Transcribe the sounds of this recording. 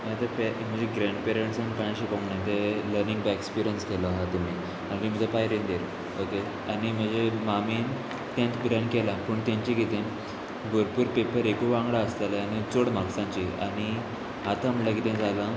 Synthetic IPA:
mãt̪əpem̤əd͡ʑeɡɾẽɳɖpeɾeɳʈsãŋpaj̃aɕikɔ̃ŋɡɳat̪eləɾnĩŋɡbaekspiɾijənskɛləɦat̪um̤i | aniɾim̤ət̪epajɾend̪eɾ | oke | aɽ̃im̤əd͡ʑemamen | t̪jãnt̪ɡɾãɳɖkɛlapəːɳt̪jãɲt͡ɕiɡit̪ẽn | bʱəɾpuːɾpepəɾekuʋãŋɡɽaəst̪aljanit͡soɽmaksãɲt͡ɕia̰ɽ̃i | at̪aməlaɡit̪ẽd͡zʱala

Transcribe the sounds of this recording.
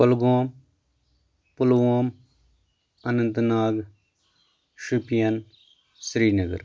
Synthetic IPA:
ɐlɡoːm | pʊlʋoːm | ɐnɐnt̪naːɡ | ʃupijɐn | sɾiːnəɡə̰ɾ

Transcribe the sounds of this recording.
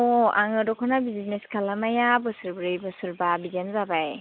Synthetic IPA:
ɔaŋɯdɔkʰɔnabizineskʰalamajabɯsɯɾbɾɯjbɯsɯɾbabizanzabaj

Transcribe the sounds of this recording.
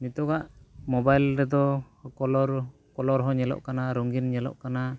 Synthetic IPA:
nit̪ɔɡaʔmɔbajlɾɛd̪ɔ | kɔlɔɾ | kɔlɔɾɦɔɲɛlɔ̰ʔkanaɾɔŋɡinɲɛlɔ̰ʔkana

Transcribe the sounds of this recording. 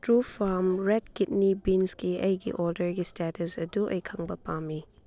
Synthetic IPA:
tɾupʰamɾɛt̚kit̚nibinsɡiʔɐjɡḭʔɔldəɾɡistɛtɐsɐduʔɐ̰jkʰɐŋbɐpami

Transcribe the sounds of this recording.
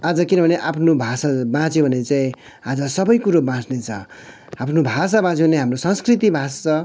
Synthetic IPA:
ad͡zʌkinʌbʱʌneʔapʰnobʱasabãt͡sjobʱʌnet͡saĩ | ad͡zʌsʌbʌjkuɾobãt͡snet͡sʰʌ | apʰnobʱasabãt͡sjõbʌneɦamrosʌ̃ŋskrit̪ibʱasʌ

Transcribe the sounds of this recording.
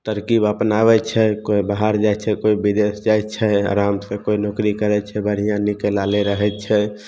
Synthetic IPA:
t̪əɾkibəpnabɛt͡ʃʰɛkoibaɦaɾd͡ʒat͡ʃʰɛkoibid̪esd͡ʒajt͡ʃʰɛa̰ɾamsẽkoinokɾikəɾɛt͡ʃʰɛbəɽ̤ijãnikelaleɾəɦɛt͡ʃʰɛ

